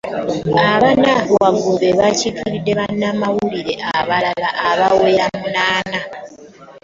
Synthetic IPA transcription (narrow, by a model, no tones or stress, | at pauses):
aβanaβowaɡubeβacikʰiɾidːe̞βanːamawuliɾe̞ʔaβalalaʔaβawejamunaːna